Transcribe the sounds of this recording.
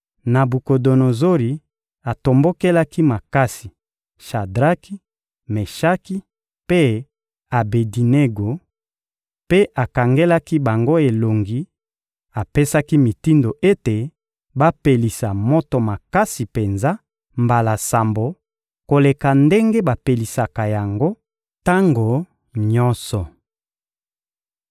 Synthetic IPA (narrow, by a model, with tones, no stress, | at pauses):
na˨bu˨ko˨do˨no˨zo˦li˨ | a˨to˨mbo˦ke˦la˦ki˦ma˨ka˦si˨ | ʃa˨dʁa˦ki˦ | me˨ʃa˦ki˦ | pe˦ | a˨be˨di˨ne˦ɡo˨ | pe˦ʔa˨ka˨ŋɡe˦la˦ki˦ba˨ŋɡo˦e˨lo˨ŋɡi˨ | a˨pe˦sa˦ki˦mi˨ti˦ndo˨ʔe˦te˨ | ba˦pe˨li˨sa˨mo˦to˨ma˨ka˦si˨pe˨nza˦ | mba˨la˨sa˨mbo˨ | ko˨le˨ka˨nde˦ŋɡe˦ba˨pe˨li˨sa˨ka˨ja˨ŋɡo˦ | ta˦ŋɡo˨ | ɲɔ˦nsɔ˨